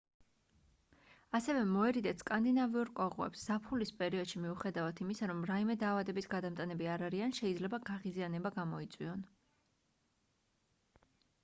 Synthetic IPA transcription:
asɛvɛmɔɛɾid̪ɛt̪skʼand̪inaviuɾkʼɔʁwɛ̰psz̥apʰulispʼɛɾiɔd̪ʃimiuχɛd̪avat̪ʰimisaɾɔmɾaimɛd̪aːvad̪ɛbisɡad̪amt̪ʼanɛbiaɾaɾianʃɛid̪zlɛbaɡaʁizianɛbaɡamɔit̪sʼwiɔn

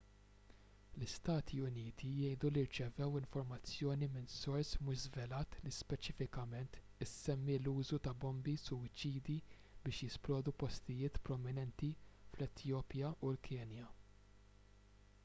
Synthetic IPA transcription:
lɪst̪ɐːt̪ʰiʊniːt̪ʰijɛjd̪uliɾt͡ʃɛvɛwɪɱfɔɾmɐt͡sːjɔːnimɪnsɔɾsmʊʃzvɛlɐːt̪lispɛt͡ʃɪfɪkɐmɛnt̪ | ɪsɛmːiluːzut̪ɐbɔmbisʊwɪt͡ʃːiːd̪i | bɪːʃjɪsplɔːd̪upɔst̪ɪjɪːt̪pɾɔmɪnɛnt̪iflɛt̪ʰjɔːpjɐʔulkʰɛːnjɐ

